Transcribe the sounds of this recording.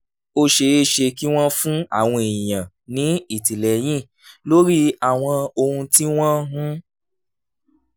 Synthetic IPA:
o˧ʃe˧e˦ʃe˧ki˦w̃ɔ̃˦fũ˦a̰˦˨w̃ɔ̃˧ẽ˨jã˨ | nĩ˨˦i˦˨ti˨lɛ˨j̃ĩ˦˨ | lo˦ɾi˦a˦˨w̃ɔ̃˧o˧hũ˧ti˦w̃ɔ̃˦ɦũ˦

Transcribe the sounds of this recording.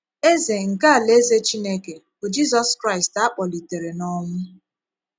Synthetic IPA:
e˦ze˨ŋ̩˨ka˦a˨le˦ze˦t͡ʃi˦ne˦ke˨b̥o˨d͡ʒi˦zɔ˦skɾa˦ɪ˨sta˦k͡pɔ˨li˨te˨ɾe˨nɔ˦ŋʊ˦

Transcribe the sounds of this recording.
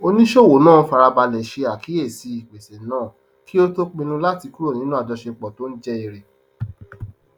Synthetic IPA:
o˧nĩ˦ʃo˦˨wo˨˦nãː˦˨˦fa˧ɾa˧ba˧lɛ˨ʃe˧a˨ki˨˦e˦˨si˨˧˦i˨k͡pe˨sɛ˨nãː˦˨ | ki˦o˦to˦k͡pẽ˧nũ˧la˦ti˧ku˦ɾo˦˨nĩ˨˦nũ˦a˦˨dɔ˧ʃe˧k͡pɔ˨to˦n̩˦d͡ʒɛ˦i˧ɾe˨

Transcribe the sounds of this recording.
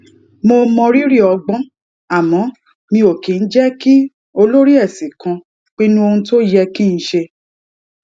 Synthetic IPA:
mo˧mɔ̃˧ɾi˦ɾi˦˨ɔ˧ɡ͡bɔ̃˦ | a˦˨mɔ̃˨˦ | mĩ˧o˨ke˨˦n̩˦d͡ʒɛ˦ki˦ | o˧lo˦ɾi˦ɛ˦˨sĩ˨kã˧ | k͡pi˦nũ˦o˧ũ˧to˦jɛ˧ki˦˨ñ̩˦ʃe˧

